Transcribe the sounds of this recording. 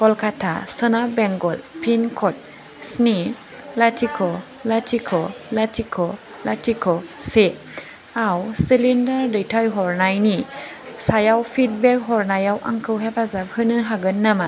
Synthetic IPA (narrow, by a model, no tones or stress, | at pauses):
kɔlkʰatʰa̰sɯnabɛŋɡɔlpʰinkʰɔt̚ | sni | latʰikʰɔ | latʰikʰɔlatʰikʰɔ | latʰikʰɔse | awsilindaɾdɯjtʰajɦɔɾnajni | sajawpʰit̚bɛk̚ɦɔɾnajawʔa̰ŋkʰɯwɦepʰazap̚hɯnɯɦaɡɯnːama